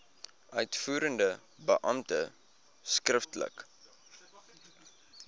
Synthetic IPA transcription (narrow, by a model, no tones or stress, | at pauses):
œɥtfuːɾəndə | bəʔɐmtə | skrəftlə̰k